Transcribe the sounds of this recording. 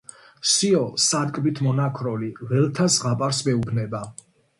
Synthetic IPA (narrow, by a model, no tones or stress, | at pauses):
siɔsad̪kʼbit̪ʰmɔnakʰɾɔlivɛlt̪ʰasʁapʼaɾsmɛubnɛba